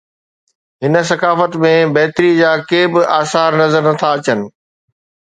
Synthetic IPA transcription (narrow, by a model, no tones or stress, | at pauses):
ɦɪnə̆s̬ɐkaːfət̪mẽbɐɦt̪ɪɾid͡ʑaːkeːbɪʔaːsaːɾnɐzəɾnɐt̪ʰaɐt͡ɕənɪ̆